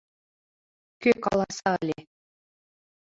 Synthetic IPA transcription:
køkɑlˠɑsɑːlʲe

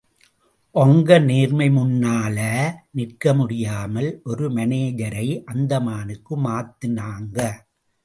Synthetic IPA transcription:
ʔɔŋɡɐneːɾmɐɪmʊnːaːlɐnɪrkɐmʊɽɪjaːmɐlʔɔɾɯmɐneːjɐɾɐɪʔɐnd̪ɐmaːnɯkːɯmaːt̪ːɪnaːŋɡɐ

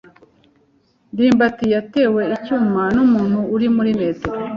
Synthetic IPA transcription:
ndiːmbatijate̞ːwe̞icuːmanuːmuːnhuːɾimuɾime̞ːteɾo

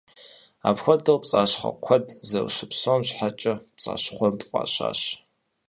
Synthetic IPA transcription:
apxʷɔdɐwpt͡sʼaːɕχɐ̰kʷʰɔdzɐ̰wʃɨpsomɕʷħat͡ʃʼɐpt͡sʼa̰ːɕχʷɔmpʼfʷʼa̰ːɕa̰ːɕ

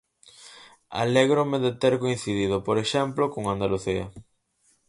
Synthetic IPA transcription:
a̰leɣɾomeðet̪eɾkoin̟θiðiðʊpoɾeʃɛmplokoŋand̪aluθiɐ̰

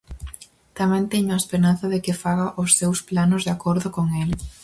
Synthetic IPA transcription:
t̪amɛ̃nt̪ɛɲʊaespeɾanθɐðɪkɪfaɣaʔʊsːewsplanʊzðakoɾðʊkoŋɛl

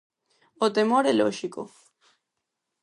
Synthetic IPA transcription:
ot̪emoɾeloʃiko̰

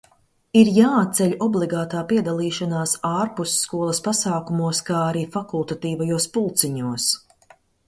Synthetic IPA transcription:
iɾjaːt̪t̪sɛʎʲɔblˠiɡaːt̪aːpiɛd̪alˠiːʃanaːsaːɾpusːkuɔlˠɐspasaːkumuɔskaːaɾiːfakulˠt̪at̪iːvajuɔspulˠt̪siɲuɔs

